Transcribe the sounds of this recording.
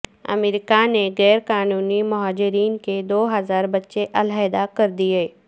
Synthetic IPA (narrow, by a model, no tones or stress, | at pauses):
ɐ̰meɾɪkaneɣɛːɾkaːnuːnimʊɦaːd͡ʒɪɾiːnked̪oːɦɐzaːɾbɐtːʃeʔɐlaed̪akɐɾd̪iɦeː